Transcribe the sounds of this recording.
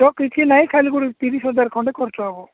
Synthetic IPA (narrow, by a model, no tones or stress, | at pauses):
t̪ɔkit͡ʃʰinaĩkʰalikuɽit̪iɾisɔd̪aɾkʰɔɳɖekɔɾt͡ʃɔaɡɔ